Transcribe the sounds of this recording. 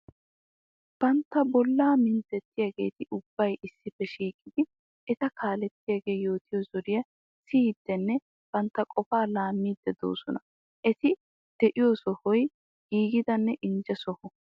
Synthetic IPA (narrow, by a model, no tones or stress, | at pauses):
b̥ɐnt̪ːɐbɔlːaːmɪnt̪ɛt̪ːɪjaɡe̞̰ːt̪ɪʔʊb̥ːɐjʔɪsːɪfɛʃiːkʼːɪd̪ɪ | ɛt̪ɐkʰaːlɛt̪ːɪjaɡe̞ːjo̞ːt̪ɪjɔzɔɾɪjɐ | siːd̪ːɛnːɛ | b̥ɐnt̪ːɐkʼɔfaːlaːmːiːd̪ːɛd̪o̰ːsɔnɐ | ʔɛt̪ɪ | d̪̥ɛʔɪjoːsɔhɔj | ɡ̥iːɡɪd̪ɐnːɛʔɪnd͡ʒɛsɔhɔ